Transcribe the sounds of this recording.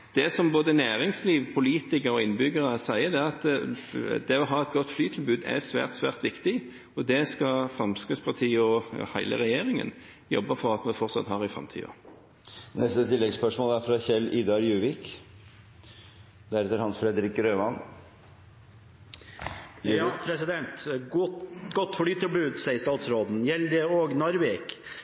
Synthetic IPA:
d̪̥ɛsɔmboːd̪ənæːʁɪŋsliːʋpʰʊliːt̪ɪkəʁɔɪnbʏɡəʁəsæɪəd̪ɛɑt̪ | d̪ɛɔɦɑːɛt̪̚ɡɔt̪ːflyːt̪ʰɪlbʉːd̪æ̰sʋæ̰ːʁt̪sʋæ̰ːʁt̪ʋɪkt̪ɪ | ɔd̪ɛskɑfʁɑmskʉspʰɑʁt̪ʰiːɔhæɪlʔə̰ʁɛjeːʁɪŋə̰n | jɔ̰bːəfɔʁɑt̪mɛnfɔʁt̪sɑ̰t̪hɑʁɪfʁɑ̰mt̪ʰḭːɔ̰ | nɛst̪ət̪ʰɪlːɛɡspœʂmoːlæɾfɾɑçɛlːɪd̪ɑɾjʉːʋɪk | d̪æɾɛt̪əɾhɑnsfɾɛd̪əɾɪkɾøːʋɑn | ɑpʰɾɛsɪd̪ɛnt̪ | ɡɔt̪ːfɔɭyːt̪ʰːɪlbʉːd̪sɛɪjəst̪ɑːt̪sɾoːd̪n̩jɛld̪ɛoːɡnɑɾʋek

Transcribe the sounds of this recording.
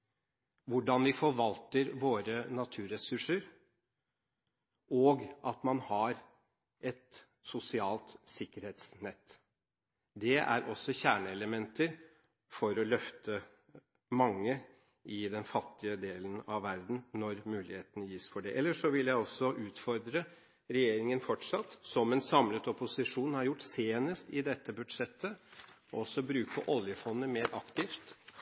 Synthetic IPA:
ʋʊɖɑnʋɪfɔɾʋɑlt̪əɾʋoːɾənɑt̪ʰʉːɾɛsʉʂəɾ | ɔːɡʔɑt̪mɑnhɑɾ | ɛt̪ | sʊsɪɑːlt̪sɪkːəɾheːt̪snɛt̪ː | d̪ɛæ̰ɾʔɔsːɔçæːɳəɛləmɛnt̪əɾ | fɔɾɔlœft̪ə | mɑŋːə | ɪd̪ɛnfɑt̪ːɪəd̪eːlənɑʋːæɾd̪n̩nɔɾmʉːlɪheːt̪ənəjiːsfɔɖɛʔɛlːəʂɔʋɪljæɪɔsːɔʔʉːt̪fɔɾd̪ɾə | ɾɛjeːɾɪŋənfɔʈʂɑt̪ːsɔmɛnsɑmlət̪ɔpʊsɪʂuːnhɑɾjʊʈːseːnəst̪ɪd̪ɛt̪ːəbʉd̪ʂɛt̪ʰːə | ɔ̰ɔsːɔbɾʉːkʰəʔɔljəfɔnd̪əmeːɾʔɑkt̪ɪft̪

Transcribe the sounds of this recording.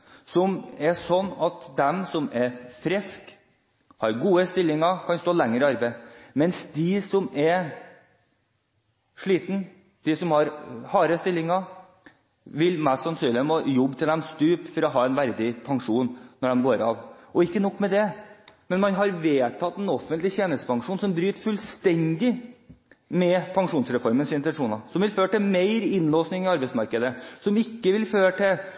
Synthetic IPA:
sɔmɛsɔnːɑt̪d̪ɛmsɔmɛɾfɾɛsk | hɑɾɡuːəst̪ɪlːɪŋɑkʰɑnst̪oːlɛŋːəɾəɑɾbeɪmɛnsd̪ɪsɔmɛɾ | ʂɭiːt̪n̩ | d̪̥ɪsɔmhɑɾhɑːɾəst̪ɪlːɪŋɑ | ʋɪlmæst̪sɑnsyːnɪəmojɔbːt̪ɪld̪ɛmst̪ʉːpfɔɾɔɦɑːɛɪnʋæɾd̪ɪpʰɑŋʂuːnːɔɖɛmɡoːɾɑ̰ːʋɔɪkːənɔkːmɛd̪ɛmɛnmɑnɦɑɾʋeːt̪ʰɑt̪ːɛnɔfːənt̪lɪçeːnəst̪ə̥pʰɑŋʂuːnsɔmbɾyːt̪fʉlst̪ɛnd̪ɪ | mɛpʰɑŋʂuːnsɾɛfɔɾmənsɪnt̪ɛʂuːnɑsɔmʋɪlføːɾʈɪmeɪɾɪnloːsnɪŋɪɑɾbɛɪtsmɑɾkəd̪əsɔmɪkːəʋɪlføːɾəʈʰɪl

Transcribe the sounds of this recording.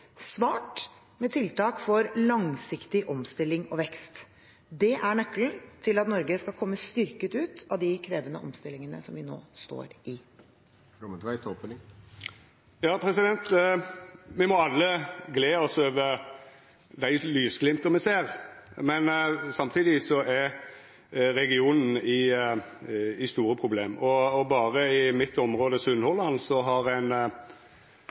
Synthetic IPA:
sʋɑːʈ | mɛːt̪ʰɪlt̪ɑːkfɔɾlɑŋsɪkt̪ɪʔɔmst̪ɪlːɪŋɔʋɛkst̪ | d̪ɛʔæɳœkːln̩t̪ʰɪlɑt̪nɔɾɡəskɑlkʰɔmːəst̪ʏɾkət̪ʉːt̪ɑʋd̪ɪkʰɾeːʋənə̰ʔɔ̰mst̪ɪlːɪŋənə̰sɔmʋɪno̰ːst̪o̰ːɾʔɪ | mət̪ʋæɪt̪opnɪ | jɑːpʰɾɛsɪd̪ɛnt̪ | mɪmɔɑlːəɡleːɔsøːʋə | d̪æɪlyːʋsɡlɪmt̪ɔmɛseːɾmɛnsɑmt̪ʰiːd̪ɪsɔʔɛɾ | ɾɛɡɪuːnn̩ɪ | ɪst̪uːɾəpʰɾʊbleːmɔːbɑːʁəɪmɪt̪ːɔmɾoːd̪əsʉnhɔlːɑnsɔɦɑɾæɪn

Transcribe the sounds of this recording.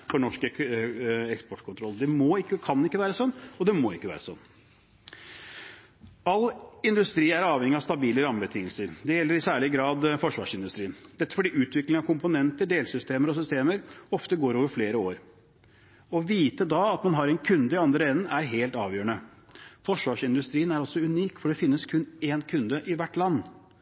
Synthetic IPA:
fɔɳɔʂkə | ɛkspɔʈkʰʊnt̪ʰɾɔlːd̪ɛmoɪkːəkʰɑnːɪkːəʋæːɾəsɔnːɔd̪ɛmoːɪkːəʋæ̰ːɾəsɔ̰nː | ɑlːɪnd̪ʉst̪ɾiːæɾɑːʋhɛŋːɪɑst̪ɑbiːləɾɑmbət̪ʰɪŋːəlsəɾd̪ɛjɛlːəɾɪsæːɭɪɡɾɑːd̪fɔʂʋɑ̰ːʂɪnd̪ʉst̪ɾiːənd̪ɛt̪ːə̥fɔɖiːʉːt̪ʰʋɪklɪŋɑʋkʰʊmpʊnɛnt̪əɖeːlsʏst̪eːməɾɔsʏst̪eːməɾɔft̪əɡoːɾoːʋəɾfleːɾəoːɾ | ɔʋiːt̪əd̪ɑɑt̪mɑnɦɑɾɛnkʰʉnd̪əɪɑnd̪ɾəɛnn̩ʔæɾɦeːlt̪ɑːʋjøːəɳə | fɔʂʋɑːʂɪnd̪ʉst̪ɾiːənæɾɔsɔʉniːkfɔɖɛfɪnːəskʰʉneːnkʰʉnd̪əʔɪʋæʈːlɑnː

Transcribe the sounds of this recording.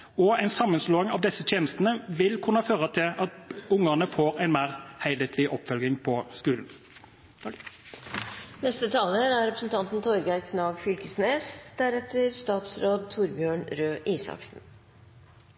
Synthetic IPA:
ɔæɪnsɑmːənsloːɪŋɑʋd̪ɛsːət̪ʰjeːnəst̪ənəʋɪlkʰʉnːɑføːʁət̪ʰɪlʔɑt̪ʊŋəʁnəfoːʁæɪnmæːʁhæɪlet̪ʰlɪʔɔpfœlɡɪŋpʰɔskʉːln̩ | nɛst̪ət̪ʰɑːləɾæɾɛpɾəsnt̪ʰɑnt̪n̩t̪ʰɔɾɡɑɾkʰnɑːɡfʏlkəsneːsd̪̥æɾɛt̪əɾst̪ɑːt̪sɾoːd̪̚t̪ʰʊɾbjøːɳɾøːʔiːsɑ̰ksn̩

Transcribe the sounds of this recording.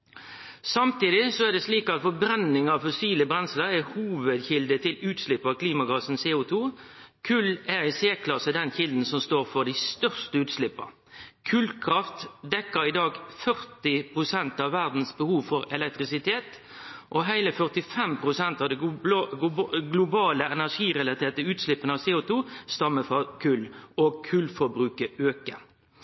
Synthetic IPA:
sɑmt̪iːd̪ɪsɔæd̪ɛsliːkɑt̪fɔbɾɛnːɪŋɑʋfɔsiːləbɾɛnsləɾɛhuːʋəd̪çɪld̪ət̪ʰɪlʉːt̪slɪpːəkʰliːmɑɡɑːsn̩seːʊt̪ʰuː | kʰʉlæɾɪseːkʰlɑsəd̪ɛnçɪld̪n̩sɔmst̪oːɾfɔd̪æɪst̪œʁst̪əʉːt̪slɪpːə̰ | kʰʉlkʰɾɑft̪d̪ɛkːəɾɪd̪ɑːɡfœʁt̪ɪpʰʁʊsɛnt̪ɑʋːæʁd̪n̩sbəhuːʋfɔɾɛlɛk̚t̪ʁɪsɪt̪ʰeːt̪ | ʔɔɦæɪləfœʁt̪ɪfɛmpʰɾʊsɛnt̪ɑʋd̪ɛ | ɡlʊbɑːləɛnæʂiːɾɛlɑt̪ʰeːʁt̪əʉːt̪slɪpːənəɑʋseːuːt̪ʰuːst̪ɑmːəfɔʁkʰʉlɔɡkʰʉlfɔɾbɾʉːkəøːkə

